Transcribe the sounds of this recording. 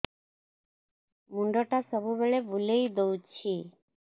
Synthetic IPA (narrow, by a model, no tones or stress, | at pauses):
muɳɖɔʈasəbubeɭebulejd̪owt͡ɕʰi